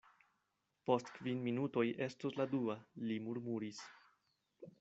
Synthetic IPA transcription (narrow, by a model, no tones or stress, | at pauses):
po̞stkvinminuto̞jʔe̞stusladualimuɾmuɾis